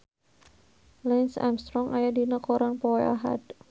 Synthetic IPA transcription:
lɛnsa̰mst̪ɾɔŋʔajadinəkoɾaŋpɔa̰ɦa̰d̪

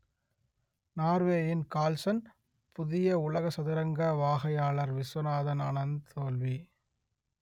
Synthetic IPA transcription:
naːɾʋeːjɪnkaːlsɐn | pʊðɪjɐʊɭɐɣɐsɐðɪɾɐŋɡɐʋaːɣɐjaːɭɐɾʋɪsɔnaːðɐna̰nɐnt̪ʰoːlʋi

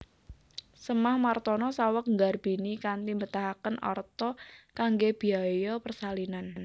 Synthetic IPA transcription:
səmahmart̪ɔnɔsawək̚ŋɡarb̥i̤nikant̪imbət̪aɦakənɔ̰rt̪ɔkaŋɡeb̥i̤ajɔpərsalinan

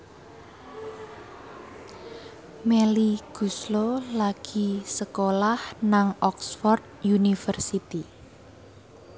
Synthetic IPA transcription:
meliɡ̥ṳslolaɡ̥i̤səkolahnaŋɔksfɔrd̪̚junifərsit̪i

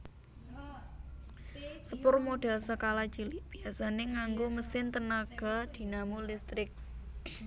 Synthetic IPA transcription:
səpʊrmoɖ̥ɛ̤lsəkalat͡ʃilib̥iasaneŋaŋɡoməsɪnt̪ənaɡ̥a̤d̪̥i̤namulist̪ɾɪk̚

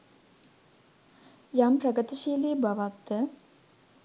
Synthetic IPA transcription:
jamprəɡət̪iʃiːliːbaʋak̚d̪ə

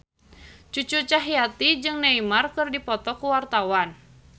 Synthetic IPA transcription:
t͡ʃut͡ʃut͡ʃaɦijat̪id͡ʒɨŋnaimarkɨrdipɔt̪ɔkuwart̪awan

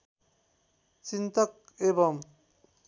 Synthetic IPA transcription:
t͡ʃint̪ʌk̚ | ebʌm

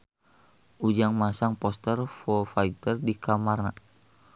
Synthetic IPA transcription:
ʔud͡ʒaŋmasaŋpɔst̪ərfɔfait̪ərdikamarna

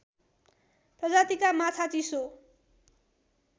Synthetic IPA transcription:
prʌd͡zat̪ikamat͡sʰat͡siso

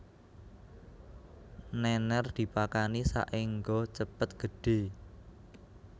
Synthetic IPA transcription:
nɛnɛrd̪̥i̤pakanisa̰ʔɪŋɡɔt͡ʃəpət̪̚ɡ̥ə̤ɖ̥e̤

